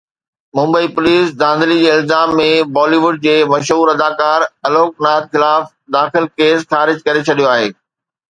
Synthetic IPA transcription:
mʊ̃mbəipʊliːsd̪ãːn̆d̪əlid͡ʑeːɪlzaːmːẽbɔːliʋʊɖ̚d͡ʑeːmɐʃɦuːɾɐd̪aːkaːɾɐloːk̚naːd̪̚xɪlaːf | d̪aːxɪlkeːsxaːɾɪd͡ʑkɐɾet͡ɕʰɐɗijoaːɦḛː

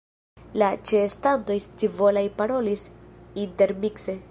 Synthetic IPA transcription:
lat͡ʃeːstanto̞jst͡sivo̞lajpaɾo̞lisinte̞ɾmikse

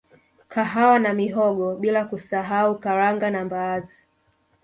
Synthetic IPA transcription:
kaɦawanamiɦɔɠɔɓilakusaɦaukaɾaŋɡanambaːzi

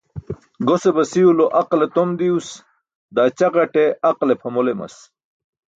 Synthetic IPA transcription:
ɡosebɐsiuloʔɐqlet̪omd̪ius | d̪aːt͡ɕɐqɐʈeɐqlepʰɐmolemɐ̰s

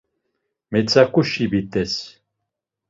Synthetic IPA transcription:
mɛt͡sʰakʼuʃibit̪ʼɛs

